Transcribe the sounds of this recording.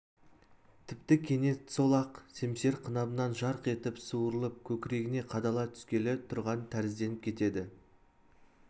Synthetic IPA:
t̪ʰɪp̚t̪ɪkʲʰe̞ne̞st̪so̞lˠɑqse̞mse̞ɾqʰənɑbənɑnʒɑɾqe̞t̪ɪpsuwəɾəlˠəp̚kʲʰɵkʲɪɾe̞ɡʲɪne̞qʰɑd̪ɑlˠɑt̪ʰʏ̥skʲe̞let̪ʰʊɾʁɑnt̪ʰæɾɪzd̪e̞nɪp̚kʲʰe̞t̪e̞d̪ɪ

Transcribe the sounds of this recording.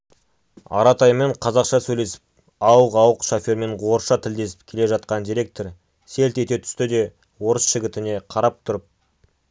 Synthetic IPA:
ɑ̰ɾɑt̪ɑjme̞ɴqʰɑzɑqʃɑsɵjle̞sɪ̥p̚ | ɑwəqɑwəqʃofʲoɾme̞ɴʁoɾʃɑt̪ʰɪld̪e̞sɪ̥p̚kʲʰe̞le̞ʒɑt̪̚qɑnd̪iɾe̞k̚t̪o̞ɾ | se̞lt̪e̞t̪e̞t̪ʰʏ̥st̪ɪd̪e̞ | wo̞ɾəsʒɪɡʲɪt̪ɪne̞qʰɑɾɑp̚t̪ʰʊɾəp̚

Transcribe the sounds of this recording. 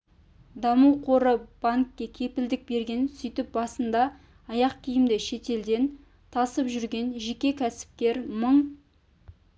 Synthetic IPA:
d̪ɑmuwqʰo̞ɾəb̥aŋkʲːe̞kʲʰe̞pɪld̪ɪk̚be̞ɾɡʲe̞nsʏjt̪ɪp̚bɑsənd̪ɑː | jɑqkʲʰijɪmd̪ɪʃe̞t̪e̞ld̪e̞n | t̪ʰɑsəpʒʏɾɡʲe̞nʒe̞kʲe̞kʲʰæsɪ̥p̚kʲe̞ɾməɴ

